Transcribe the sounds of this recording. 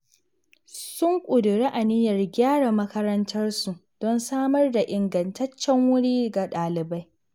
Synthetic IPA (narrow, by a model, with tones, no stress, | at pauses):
sʊ˦ŋkʷʼʊ˨dʊ˨ɾi˦ʔa˨nɪ˦jɐ˨rɡʲaː˦ɽa˨mɐ˦kɐ˦ɾɐ˦ntʰɐ˦rsu˨d̥ɔ˦nsaː˦mɐ˦rda˨ʔɪ˨ŋɡɐ˨ntɐ˦t͡ʃːɛ˦ŋwʊ˦ɽiː˦ɡa˨ɗaː˨lɪ˨ba˦j